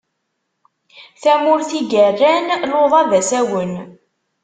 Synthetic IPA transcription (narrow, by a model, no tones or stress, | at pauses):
θæmʊɾθiɡærːænloðˤævæsæwən